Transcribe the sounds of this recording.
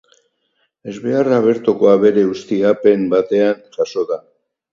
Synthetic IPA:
e̞zβearaβ̞e̞ɾt̪uko̞aβe̞ɾe̞ust̪iape̞mbat̪e̞anʝaso̞ða

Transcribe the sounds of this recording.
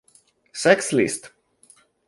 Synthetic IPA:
sɛkslʲḭst̪

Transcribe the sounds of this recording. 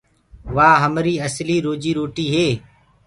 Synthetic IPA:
ʋaːɦəmɾiːəsliːɾoːd͡ʒiːɾoːʈiːɦeː

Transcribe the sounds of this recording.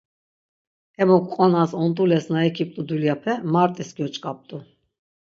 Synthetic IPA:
ɛmɔkʷʼqʼɔnasɔnt̪ʼulɛsnaɛkʰip̚ʼt̪ʼud̪ulijapʰɛmaɾt̪ʼisɡiɔt͡ʃʼkʼap̚t̪ʼu

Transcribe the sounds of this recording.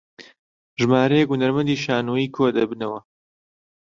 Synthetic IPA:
ʒɨmaːɾɐjɛkhunɐɾmɐnd̪iːʃaːnoiːkʰod̪ɐbɨnɐwɐ

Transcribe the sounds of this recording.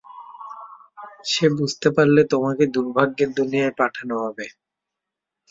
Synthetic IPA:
ʃebud͡ʑʱt̪epaɾlet̪omaked̪uɾbʱaɡːeɾd̪onijaepaʈʰanoɦɔbe

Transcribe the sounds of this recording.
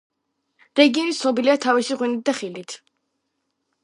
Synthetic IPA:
ɾɛɡiɔnisnɔbiliat̪ʰaviʃiʁwinit̪̚d̪aχilit̪ʰ

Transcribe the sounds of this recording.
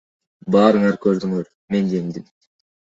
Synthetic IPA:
bɑːɾɯŋɑɾkøɾd̪yŋøɾ | me̞nd̪e̞md̪im

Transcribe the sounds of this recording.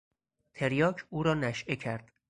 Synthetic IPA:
t̪ʰe̞ɾjɒːkʰuːɾɒːnæʃʔe̞cʰæɾd̪̥

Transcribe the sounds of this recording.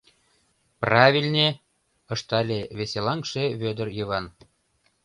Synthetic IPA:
prɑβʲilʲnʲe | ɤʃt̪ɑlʲeβeselɑŋkʃeβød̪ərjɯβɑn

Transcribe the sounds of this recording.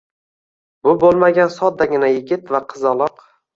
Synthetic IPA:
bʊbolˠmaɡʲansɒt̪̚d̪ːaɡʲɪnajɪɡʲɪt̪vaqʰɨzɒlˠɒq

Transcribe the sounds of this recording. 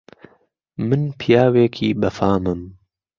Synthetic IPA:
mɨnpʰijaːweːkʰiːbɐfaːmɨm

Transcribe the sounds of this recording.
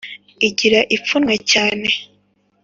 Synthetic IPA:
iɟiɾaʔip͡funŋwecaːne̞

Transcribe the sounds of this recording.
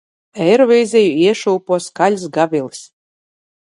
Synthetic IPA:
ɛjɾɔvʲɛjzʲɛjuiɛʃuːpuɔskalʲsɡavʲilˠis

